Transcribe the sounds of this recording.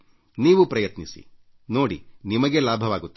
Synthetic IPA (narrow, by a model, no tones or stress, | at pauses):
niːʋupɾɐjɐt̪nisḭ | no̞ːɽḭnimɐɡelaːbʱɐʋaːɡut̪ː